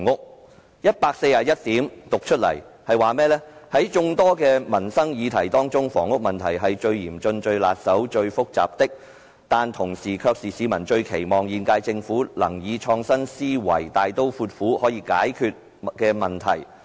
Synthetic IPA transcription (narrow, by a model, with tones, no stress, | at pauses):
ŋʊ˥k̚ | jɐ˥t̚paː˧k̚se˧jaː˨˩jɐ˥t̚t̪iː˨˥mt̪ʊ˨k̚t͡ʃʰɵ˥t̚lɐ̰˨˩jhɐ˨jwaː˨mɛː˥lɛː˥hɐ˨˥jt͡ʃʊ˧ŋt̪ɔː˥kɛː˧mɐ˨˩nsɐ˥ŋjiː˨˧t̪ʰɐ˨˩jt̪ɔː˥ŋt͡sʊ˥ŋfɔ̰ː˨˩ŋʊ˥k̚mɐ˨nt̪ʰɐ˨˩jɦɐ˨jt͡ʃɵ˧ɥjiː˨˩mt͡ʃɵ˧nt͡ʃɵ˧ɥla̰ː˨t̚sɐ˨˥wt͡ʃɵ˧ɥfʊ˥k̚t͡sa̰ː˨p̚t̪ɪ˥k̚ | t̪aː˨nt̪ʰʊ˨˩ŋsiː˨˩kʰœː˧k̚siː˨siː˨˥mɐ˨˩nt͡ʃɵ˧ɥkʰe˨˩jmɔː˨˩ŋjiː˨˧nkaː˧jt͡sɪ˧ŋfuː˨˥lɐ̰˨˩ŋjiː˨˧t͡ʃʰɔː˧ŋsɐ˥nsiː˥wɐ̰˨˩jt̪aː˨jt̪o˥wfuː˧t̚fuː˨˥hɔː˨˥jiː˧kaː˨˥jkʰyː˧t̚ | kɛː˧mɐ˨nt̪ʰɐ̰˨˩j